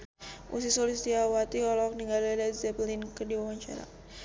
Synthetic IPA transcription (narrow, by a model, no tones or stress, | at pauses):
ʔṵs̬isɔlisd̪iawat̪iɔlɔkniŋɡaladazɛplinkədiwawaɲt͡ʃa̰ɾa̰